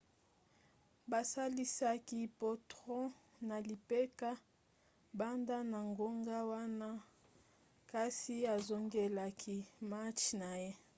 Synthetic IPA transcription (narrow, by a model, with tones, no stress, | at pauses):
ba˨sa˦li˦sa˦ki˦pɔ˨tʁɔ̃˦ | na˨li˨pe˦ka˦ | ba˦nda˦na˨ŋɡo˦ŋɡa˦wa˦na˦ | ka˦si˦a˨zo˨ŋɡe˨la˨kʰi˦ma˦t͡ʃna˨je˦